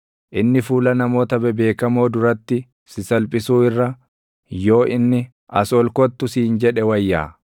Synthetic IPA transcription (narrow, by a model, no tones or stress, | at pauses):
ʔɪnːɪfuːlɐnɐmo̞ːt̪ɐbɛbe̞ːkɐmo̞ːd̪ʊɾɐt̪ːɪ | sɪsɐlpʼɪsuːɪrːɐ | jo̞ːʔɪnːɪ | ɐsɔlkɔt̪ːʊsiːnd͡ʒɛᶑɛwɐjːa̰ː